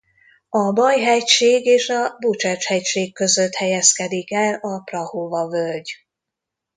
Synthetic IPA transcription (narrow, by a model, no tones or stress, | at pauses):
ɒbɒjɦɛcʃeːɡeːʃɒbut͡ʃɛt͡ʃhɛcʃeːkːø̞zøt̪hɛjɛskɛd̪ikɛlɒprɒhovɒvølɟ